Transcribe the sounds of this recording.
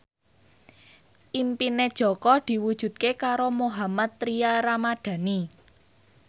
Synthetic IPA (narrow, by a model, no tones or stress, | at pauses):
ʔimpined̥ʒ̥ɔ̤kɔd̪̥i̤wud̥ʒ̥ṳt̪̚kekaɾomoɦamat̪ːɾiaɾamaɖ̪̥ä̤ni